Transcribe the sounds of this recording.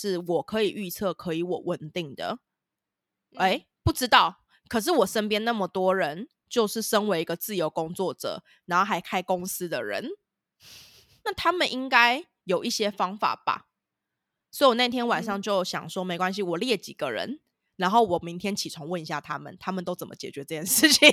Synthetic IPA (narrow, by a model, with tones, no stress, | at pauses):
ʂɻ̩˥˩wɔ˨˩kʰɤ˧˦i˨˩ʔy˥˧t͡sʰɤ˥˩kʰɤ˧˥i˧˦wɔ˨˩wə˨˩nt̪i˥˩ŋd̪ə̰˩ | e˥˩ɪ | pu˥˩ʈ͡ʂɻ̩˥t̪ɑ˥˩ʊ | kʰə˨˩ʂ̬ɻ̩˥˩wɔ˨˩ʂə˥npjɛ˥nna˥˩mə˨˩t̪wɔ˥ɻə˧˦n | t͡ɕjo˥˧ʊʂɻ̩˥˩ʂə˦nwe˧˥ɪi˧˥ɡə˧t͡sɹ̩˥˩jo˧˥ʊkʊ˦ŋt͡swɔ˥˩ʈ͡ʂɤ̰˨˩˦ | na˨˧nxo˥˩ɦa˧˥ɪkʰa˥ɪko˥ŋsɹ̩˥˦d̪ə˨ɻə̰˧˦n | na˥˩t̪ʰa˥mə˨nʔi˦˥ŋka˥ɪ | jo˨˩ʊʔi˥˩ɕjɛ˥fɑ˥ŋfa̰˨˩b̥a̰˨˩ | swɔ˧˥i˨wɔ˨˩na˥˩i˧t̪ʰjɛ˥nwa˨˩nʂɑ˥˧ŋt͡ɕjo˥˩ʊɕjɑ̰˨˩ŋʂwɔ˦˥me˧˥ɪkwa˦nɕ̬i˧wɔ˨˩ljɛ˥˩t͡ɕi˨˩ɡ̥ə˦ɻə̰˧˦n | na˧˥nxo˥˩ʊwɔ˨˩mi˨˦ŋt̪ʰjɛ˥nt͡ɕʰi˨˩t͡sʰo˧˥ŋwə˥˨ni˧˥ɕja̰˥˩t̪ʰa˦mə̰˨nt̪ʰa˥mə˨nt̪o˥ʊt͡sə˨˩mə̰˦t͡ɕjɛ˨˩t͡ɕɥɛ˧˦ʈ͡ʂɤ˥˧t͡ɕjɛ˥˩nʂɻ̩˥˩t͡ɕʰi˨˩ŋ